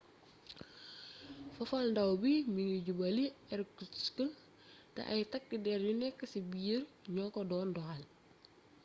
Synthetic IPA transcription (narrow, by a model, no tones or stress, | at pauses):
fɐfalndawbimiŋiɟubaliɛɾkiskəl | tɐ̰ʔɐ̰jtɐk̚didɛɾjunɛkːɐsibiəɾɲɔkɔdɔːndɔhal